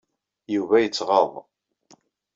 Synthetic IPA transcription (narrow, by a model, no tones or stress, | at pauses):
juvæjət͡sːʁəðˤ